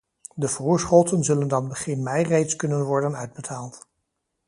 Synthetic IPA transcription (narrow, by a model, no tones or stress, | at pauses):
dəvoːɹsχɔtənzɵləndɑnbəχɪnmɛjrejtskɵnənʋɔɹdənœɥd̚bətʰaːlˠt